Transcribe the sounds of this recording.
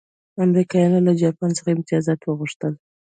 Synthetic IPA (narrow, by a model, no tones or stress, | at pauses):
amɾikɑjɑnolad͡ʒɑpɑnt͡səxaɪmt̪ɪjɑzɑt̪wəɣʊʂt̪əl